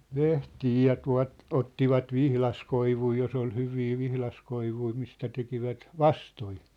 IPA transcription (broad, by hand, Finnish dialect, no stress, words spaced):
lehtiː jɑ tuɑ̝t otːiʋɑt ʋihlɑskoiʋui jos ol hyʋiː ʋihlɑskoiʋui mistæ tekiʋæt ʋɑstoi